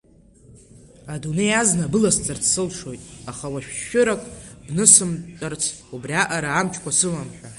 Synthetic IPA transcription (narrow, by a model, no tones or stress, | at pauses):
adune̞jaznabɨlast͡sʼart͡sʰsɨlʂo̞jtʼaχawaʃᶣːʊɾakʼbnɨsɨmtʼɨrt͡sʰ | ubriaʔaɾaːmt͡ʃʰkʷasɨmamħᶣa